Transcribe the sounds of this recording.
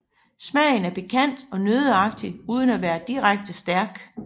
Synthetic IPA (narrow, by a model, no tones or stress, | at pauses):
smɛ̰ɪnæɐpe̝kʰæn̰d̥ɒ̽nøːð̞ˠəɑ̈ɡ̥̚d̥iuːð̞ˠənæʋæːɐd̥iʁaɡ̥̚d̥əsd̥æɐɡ̥